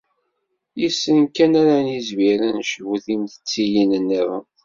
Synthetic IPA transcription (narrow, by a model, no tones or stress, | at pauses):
jisːənkænaɾanizmiɾænʃəvuθind̪ət͡sːijinənːəv